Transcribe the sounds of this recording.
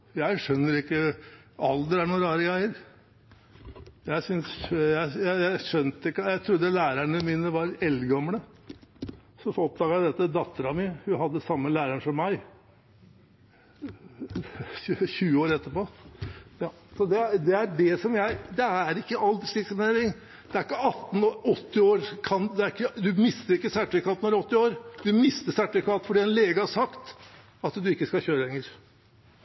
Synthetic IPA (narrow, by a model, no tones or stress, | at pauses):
jæɪʂœnːəɾɪkːə | ɑld̪əɾæɳuːnɾɑːɾəɡɾæɪəɾ | jæɪsʏnsjæɪjæɪjæɪʂœnt̪ɪkːəjæɪt̪ʰɾʊd̪ːəlæːɾæɳəmiːnəʋɑɾɛlɡɔmɳə | sɔfɔp̚d̪ɑːɡəjæɪd̪ɛt̪ːəd̪ɑt̪ːəɾɑmihʉɦɑd̪ːəsɑmːəlæːɾæɳʂɔmːæɪ | ʉɕʉːəoːɾɛt̪ːəpoːjɑːsɔd̪ɛd̪ɛæɖɛsɔmjæɪd̪ɛæɾɪkːəɑld̪ʂlɪksmneːɾɪŋ | d̪̥ɛæɾɪkːəɑt̪ːn̩ɔɔt̪ːɪoːɾkʰɑnd̪ɛæɾɪkːəd̪ʉmɪst̪əɾɪkːəsæʈɪkʰɑːt̪nɔʋæɾɔt̪ːɪoːɾd̪ʉmɪst̪əsæʈɪkʰɑːt̪fɔɖiːɛnleːɡəhɑʂɑkt̪ | ɑt̪d̪ʉɪkːəskɑçøːɾəlɛŋːəɾ